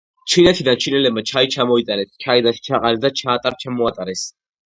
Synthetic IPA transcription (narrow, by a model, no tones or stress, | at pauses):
t͡ʃʰinɛt̪ʰid̪ant͡ʃʰinɛlɛb̚mat͡ʃʰait͡ʃʰamɔit̪ʼanɛst͡ʃʰaid̪aʃt͡ʃʰaqʼaɾɛsd̪at͡ʃʰaːt̪ʼaɾt͡ʃʰamɔat̪ʼaɾɛs